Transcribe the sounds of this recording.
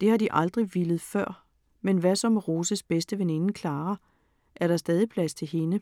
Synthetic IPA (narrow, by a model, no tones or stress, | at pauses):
d̥e̝hɑ̈d̥iʔɑ̈ld̥ʁiʋilð̞̩ˠfɶɐ̰ | menʋæsɒ̽mʁo̝ːsəsb̥esd̥əʋene̝nəkʰlɑ̈ːɐ | ʔæɐɾ̥ɑ̈sd̥ɛːð̞ˠipʰlæst͡sʰe̝lɦe̝nə